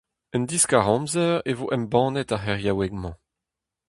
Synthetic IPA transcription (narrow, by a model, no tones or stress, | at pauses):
ənd̪iskaʁɔ̃mzɛʁevoʔɛmbɑ̃ːnɛtaχɛʁjawɛɡmɑ̃